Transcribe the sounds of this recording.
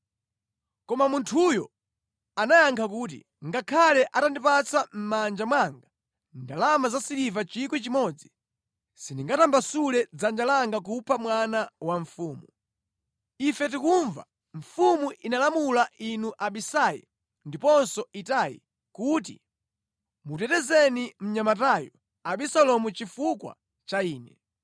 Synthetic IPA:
kɔmamuntʰujɔ | anajaŋkʰak̬uːt̬ḭ | ŋɡakʰalɛʔatandipat͡sam̩mand͡ʒamwaŋɡa | ndalamazasilivat͡ʃik̬wit͡ʃimɔd͡zi | siniŋɡatambasulɛd͡zand͡ʒalaŋɡak̬upʰamwanawaɱfuːmu | ifɛt̬ikuɱva̰ | ɱ̩fumuʔinalamulaʔinuʔaɓisajḭ | ndipɔnsɔitajḭ | kuːt̬i | mutɛtɛzɛnim̩ɲamataːjɔ | aɓisalɔmut͡ʃifukwa̰ | t͡ʃaiːnɛ

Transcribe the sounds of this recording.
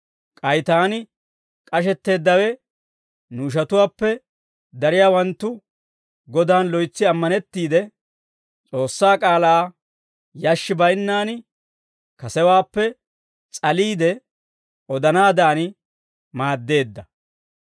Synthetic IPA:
kʼɐjt̪aːnɪ | kʼɐʃ̬ɛt̪ːe̞ːd̪ːɐwɛ | nuːʃ̬ɐt̪ʊwaːpːɛ | d̪ɐɾɪjaːwɐnt̪ːʊ | ɡɔd̪aːnlɔjt͡sːɪɐmːɐnɛt̪ːiːd̪ɛ | t͡sʼo̞ːsːaːkʼaːlaː | jaʃːɪbɐjnːaːnɪ | kɐsɛwaːpːɛ | t͡sʼɐliːd̪ɛ | ɔd̪ɐnaːd̪aːnɪ | maːd̪ːe̞ːd̪ːɐ

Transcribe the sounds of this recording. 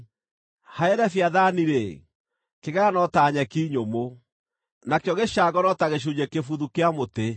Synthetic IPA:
haɛɾɛfjaðaniɾe | keɣɛɾanɔtaɲɛkiːɲomo | nakjɔɣeʃaɡɔnɔtaɣeɕ̬uɲekefuðukeamote

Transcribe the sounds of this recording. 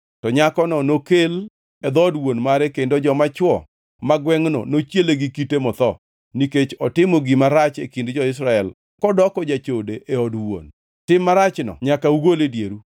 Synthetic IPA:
tɔɲakɔnɔnokel | ɛd̪ɔdwonmaɾɛkendod͡ʒɔmat͡ʃwɔ | maɡwɛŋnɔ̰not͡ʃjeleɡikitemɔt̪ɔ | niket͡ʃɔtɪmɔɡɪmaɾat͡ʃekindd͡ʒɔɪs̬ɾaɛl | kɔdɔkɔd͡ʒat͡ʃodeʔeɔdwo̰n | tɪmːaɾat͡ʃnɔ̰ɲakauɡoledjeɾu

